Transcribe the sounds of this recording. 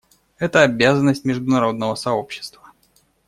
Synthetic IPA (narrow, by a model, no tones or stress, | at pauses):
ɛt̪əɐbʲazənːəsʲtʲmʲɪʐd̪ʊnɐɾo̞d̪nəvəsɐo̞pɕːɪ̥st̪və